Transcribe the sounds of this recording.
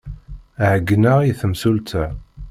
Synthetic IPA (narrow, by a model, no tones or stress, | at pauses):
ʕəɡːnaʁiθəmsult̪ʰə